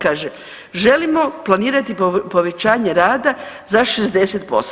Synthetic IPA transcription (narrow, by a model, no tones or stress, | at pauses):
kaːʒe | ʒe̞limo̞plˠaniːɾat̪ipo̞ʋe̞t͡ɕaːɲe̞ɾaːd̪a | zaʃezd̪e̞set̪̚po̞s